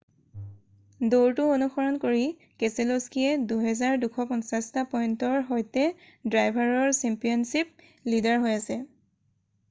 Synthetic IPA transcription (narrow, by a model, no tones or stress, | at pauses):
doɹtʊonuxɔɹɔnkoɹi | kɛseloskiɛduɦɛzaɹdukʰɔpɔnsastapɔjntɔɹɦɔjtɛ | dɹajbʱaɹɔɹsɛmpijɔnsip̚ | lidaɹɦojasɛ